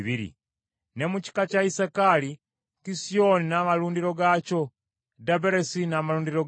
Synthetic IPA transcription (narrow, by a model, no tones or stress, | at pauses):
βiɾḭ | nemut͡ʃi̥kat͡ʃaisakali | kisioninamalundiɾoɡat͡ʃo | dabeɾesinamalundiɾo